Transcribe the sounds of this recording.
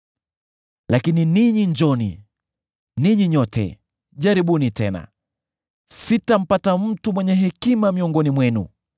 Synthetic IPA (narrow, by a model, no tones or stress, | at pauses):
lakininiɲiɲd͡ʒɔnḭ | niɲiɲɔtɛ̰ | ʄaɾiɓunitɛna̰ | sitam̩patam̩tumwɛɲɛɦɛkimamiɔŋɡɔnimwɛnṵ